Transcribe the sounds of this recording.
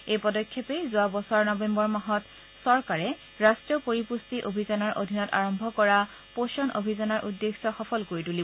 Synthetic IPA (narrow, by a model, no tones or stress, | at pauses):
ejpɔdɔkʰːɔpejzʊabɔsɔɹnɔbembɔɹmaɦɔt | sɔɹkaɹɛ | ɹastɹiɔpoɹipustiʔobʱizanɔɹʔodʱinɔta̰ɹɔmbʱɔkɔɹa | poʃɔnʔo̰bʱizanɔɹʔudːeksɔxɔpʰɔlkoɹituli